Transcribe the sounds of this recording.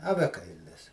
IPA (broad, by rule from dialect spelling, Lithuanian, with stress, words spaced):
ɐˈʋʲæːkɐɪlʲɪs